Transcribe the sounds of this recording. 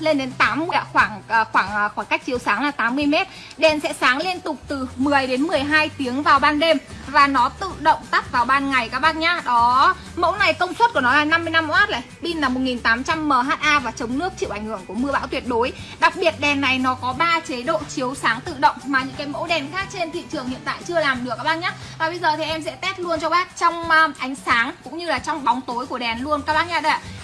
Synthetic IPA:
le˧nɗe˨˦nt̪aː˨˦mːɨ˧əjxwaː˧˩ŋː˨˩xwaː˧˩ŋ˨˩xwaː˧˩ŋka˦˥jk̟̚t͡ɕi˨˦əwsaː˨˦ŋlaː˨˩t̪aː˨˦mːɨ˧əjmɛ˦˥t̚ | ɗɛ˨˩nsɛ̰˧˥saː˨˦ŋle˧nt̪ʊ˨˩k͡p̚t̪ɨ˨˩mɨ˨˩əjɗe˨˦nmɨ˨˩əjɦaː˧jt̪i˨˦əŋvaː˨˩wɓaː˧nɗe˧mvaː˨˩nɔ˨˦t̪ɨ̰˧˨ɗə̰˧˨wŋ͡mt̪a˦˥p̚vaː˨˩wɓaː˧nŋa˨˩jkaː˦k̚ɓaː˧˥t̚ɲaː˧ɗɔ˨˦ | mo̰˧˥wna˨˩jkə˧wŋ͡mswə˦˥t̚ku˧˩ənɔ˨˦laː˨˩na˧mːɨ˧əjna˧mːo̰˧˥haː˦˥t̚lə˧˩jɓi˧nlaː˨˩mo˨˩t̚ŋi˨˩nt̪aː˨˦mt͡ɕa˧mːəː˨˩ɦaː˦˥t̚ʔaː˧vaː˨˩t͡ɕə˨˦wŋ͡mnɨ˦˥ək̚t͡ɕḭ˧˨ʔa˧˩ŋ̟hɨ˧˩əŋku˧˩əmɨ˧əɓa̰ː˧˥wt̪wi˨˩ət̚ɗo˨˦jɗa˨˩k̚ɓi˨˩ət̚ɗɛ˨˩nːa˨˩jnɔ˨˦kɔ˨˦ɓaː˧t͡ɕe˨˦ɗo̰˧˨t͡ɕi˨˦əwsaː˨˦ŋt̪ɨ̰˧˨ɗə̰˧˨wŋ͡mmaː˨˩ɲɨ̰˧˥ŋkaː˨˦jmo̰˧˥ɗɛ˨˩nxaː˦˥k̚t͡ɕe˧nt̪ʰḭ˧˨t͡ɕɨ˨˩əŋhḭ˧˨nt̪a̰ː˧˨jt͡ɕɨ˧əlaː˨˩mɗɨ˨˩əkːaː˦˥ɓaː˧˥ɲaː˦˥t̚vaː˨˩ɓə˧jzəː˨˩t̪ʰi˨˩ʔɛ˧msɛ̰˧˥t̪ɛ˦˥t̚lu˧ənt͡ɕɔ˧ɓaː˦˥t̚t͡ɕɔ˧wŋ͡mʔʔa˨˦jŋ̟saː˨˦ŋkʊ̰˧˥ŋ͡mɲɨ˧laː˨˩t͡ɕɔ˧wŋ͡mɓɔ˨˦wŋ͡mt̪o˨˦jku˧˩əɗɛ˨˩nlu˧ənkaː˦˥kɓaː˦˥ɲaː˧˩ɗa˧˩

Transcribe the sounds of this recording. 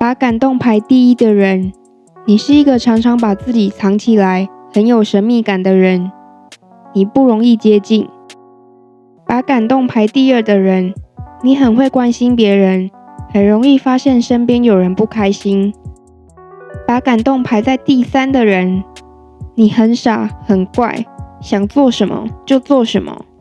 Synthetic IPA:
pa˨˥ka˨˩nt̪o˥˨˩ŋpʰa˧˥ɪt̪i˥˩i˦˥d̪ə˨ɻə˨˦n | ni˨˩ʂɻ̩˥˩i˧˥ɡə˨ʈ͡ʂʰɑ˧˥ŋʈ͡ʂʰɑ˧˥ŋpa˨˩t͡sɹ̩˥˩t͡ɕi˨˩t͡sʰɑ˧˦ŋt͡ɕʰi˨˩la˨˦ɪxə˧˦njo˨˩ʊʂə˧˦nmi˥˩ka˨˩nd̪ə˩ɻə˨˦n | ni˨˩pu˥˩ɻo˧˥ŋi˥˩t͡ɕjɛ˦˥t͡ɕi˥˨n | pa˨˥ka˨˩nt̪o˥˨ŋpʰa˧˥ɪt̪i˥˧ə˥˩d̪ə˨˩ɻə˨˦nni˨˦xə˨˩nxwe˥˩ɪkwa˦nɕi˦npjɛ˨˧˥ɻə˧˦nhə˨˩nɻo˧˦ŋi˥˨fa˦ɕjɛ˥˨nʂə˦npjɛ˦˥njo˨˩ʊɻə˨˦npu˥˩kʰa˦˥ɪɕi˦n | pa˨˧˥ka˨˩nt̪o˥˨ŋpʰa˧˥ɪt͡sa˥˧ɪt̪i˥˩˨sa˦nd̪ə˨ɻə˧˦n | ni˨˩xə˨˦nʂa˨˩˦xə˨˩nkwa̰˥˩ɪɕjɑ˨˩ŋt͡swɔ˥˨˩ʂə˧˦nmə̰˧t͡ɕjo˥˧ʊt͡swɔ˥˩ʂə˧˦nmə̰˨

